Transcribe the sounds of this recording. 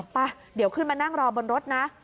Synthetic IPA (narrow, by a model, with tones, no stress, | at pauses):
pa˧ | di˨˦əwkʰɯː˥˩nmaː˧na˥˩ŋɾɔː˧bo˧nɾo˦˥t̪̚na˦˥ʔ